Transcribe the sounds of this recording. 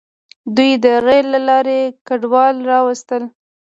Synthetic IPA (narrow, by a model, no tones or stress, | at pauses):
d̪ujd̪əɣajlːalɑɾekaɖwɑlɾɑwast̪əl